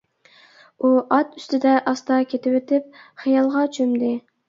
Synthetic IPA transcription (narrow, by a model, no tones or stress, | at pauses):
uɑt̪y̥st̪ʰɪd̪ɛʔɑst̪ʰɑkʲʰet̪ʰɪwet̪ʰɪp̚χijɑlˠʁɑt͡ʃʰømd̪ɪ